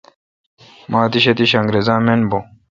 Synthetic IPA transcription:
maːt̪iɕɐt̪iɕɐŋɡɾezãːmenbo

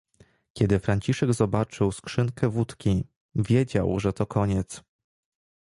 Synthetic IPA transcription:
kʲɛd̪ɘfɾaɲt͡ɕiʂɛɡzɔbat͡ʂɘwskʂɘŋkʰɛvut̪kʲi | vʲjed͡ʑa̰wʐɛt̪ɔkʰɔɲɛt̪s

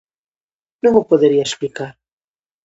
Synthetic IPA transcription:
nũŋopoðeɾiɐesplikaɾ

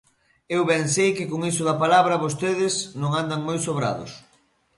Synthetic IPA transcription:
ewβɛŋsejkɪkoŋisʊðɐpalaβɾɐβos̬t̪eðɪsnõŋand̪ɐŋmojsoβɾa̰ðʊ̰s

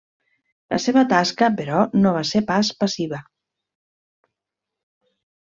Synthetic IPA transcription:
lə̰seβət̪askəpeɾɔnoβ̞asepaspəsiβə

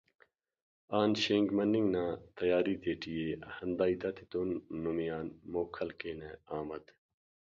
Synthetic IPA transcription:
aːnɕẽːŋɡmɐnːiŋɡnãːt̪ɐjaːɾit̪eːʈijehɐnd̪aːit̪ɐt̪ʰit̪oːnːumijaːnmoːkʰɐlkeːneaːmɐd̪

